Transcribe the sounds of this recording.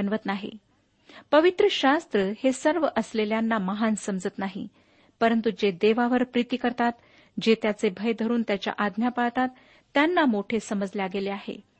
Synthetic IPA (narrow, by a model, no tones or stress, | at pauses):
ənʋət̪naɦḛ | pəʋit̪ɾəɕast̪ɾəhesəɾʋəʔəsleljanːaməɦansəmd͡zət̪naɦḭ | pəɾənt̪ud͡ʑed̪eʋaʋəɾpɾit̪ikəɾt̪at̪ | d͡ʑet̪jat͡sebʱəjd̪ʱəɾuːnt̪jat͡ɕja̰ʔad̪ʱnjapaɭt̪at̪ː | janːamoʈʰesəməd͡zljaɡeleaɦḛ